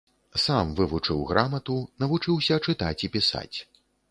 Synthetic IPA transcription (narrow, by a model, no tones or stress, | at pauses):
samvɨvut͡ʂɨwɣɾʔamɐt̪unɐvut͡ʂɨwsʲɐt͡ʂɨt̪at͡sʲipʲisa̰t͡sʲ